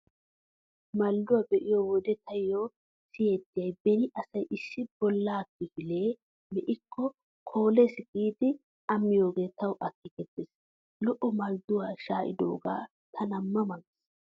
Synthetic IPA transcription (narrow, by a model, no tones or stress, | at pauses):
mɐlːʊwabɛʔɪjowɔd̪ɛt̪ʰɐjo | sɪjeːt̪ːɪjɐjbɛnɪʔɐsɐjʔɪsːɪb̥ɔlːaːkːɪfɪle̞ː | mɛʔɪkʰːɔ | kʰo̞ːlesɡ̥iːd̪ɪ | ɐmːɪjo̞ːɡe̞ːt̪ɐwʔɐkːɪkɛt̪ːɪs | lɔʔɔmɐld̪ʊwaːʃaːʔɪ̰d̪o̞̰ːɡa̰ː | t̪ʰɐnɐmːɐmɐŋɪs